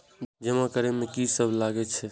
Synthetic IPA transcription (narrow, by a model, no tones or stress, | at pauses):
d͡ʒəmãkəɾɛmẽkisəbʱlaɡɛt͡ʃʰɛ